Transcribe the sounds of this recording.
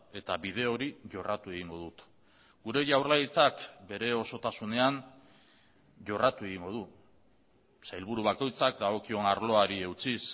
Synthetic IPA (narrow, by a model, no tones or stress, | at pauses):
e̞t̪aβið̞e̞o̞ɾiʝo̞rat̪ue̞ɣiŋɡo̞ðut̪ | ɡ̥uɾe̞ʝawrlajt͡sakbe̞ɾe̞o̞so̞t̪asune̞an | ʝo̞rat̪ue̞ɣ̞iŋɡo̞ð̞u | sajlβ̞uɾuβ̞ako̞jt͡sakd̪aɣo̞kio̞naɾlo̞aɾie̞wt͡sis